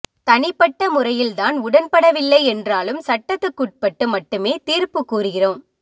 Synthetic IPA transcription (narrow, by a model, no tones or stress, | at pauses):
t̪ɐɳɪpːɐʈːɐmʊrɐjɪlt̪aːnʊɽɐnpɐɽɐʋɪlːɐɪɛndraːlɯmsɐʈːɐt̪ːɯkːuːʈ̚pɐʈːɯmɐʈːɯmeːt̪iːrpɯkːuːrɯɣɪroːm